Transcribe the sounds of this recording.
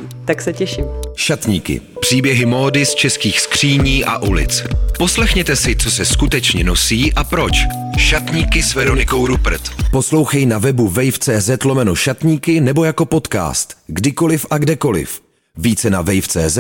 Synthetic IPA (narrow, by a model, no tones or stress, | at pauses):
t̪aksɛcɛʃɪmʃat̪ɲiːkɪ̰ | pr̝̥iːbjɛɦɪmo̞ːdɪst͡ʃɛskiːxskr̝̥iːɲiːʔa̰ʔulɪ̰t͡spo̞slɛxɲɛt̪ɛsɪt͡sosɛskut̪ɛt͡ʃɲɛnosiːʔapɾo̞t͡ʃ | ʃat̪ɲiːkɪsvɛɾo̞nɪko̞wɾupɾ̩t̪po̞slo̞wxɛjnavɛbuvɛjft͡sɛːzɛt̪lomɛnoʃat̪ɲiːkɪnɛbo̞jako̞po̞t̪ka̰ːst̪ɡdɪko̞lɪfʔaɡdɛko̞lɪ̰f | viːt͡sɛnavɛjft͡sɛ̰ːzɛ